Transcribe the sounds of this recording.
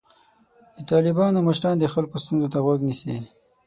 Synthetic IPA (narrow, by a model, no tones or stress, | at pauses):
d̪ət̪ɑlɪbɑnoməʃɾɑːnd̪əxalkost̪unzot̪aɣwaɡnise